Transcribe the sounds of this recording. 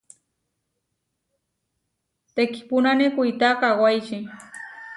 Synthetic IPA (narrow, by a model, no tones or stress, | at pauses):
t̪ekɪ̥pʊnanɪkʊjt̪aːqːwajt͡ʃɪ